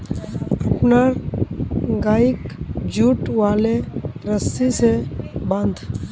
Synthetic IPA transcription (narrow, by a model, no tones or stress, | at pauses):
əpna | ɡaːɪkd͡ʒuːʈʋaːleɾəsisebə̃nd̪ʱ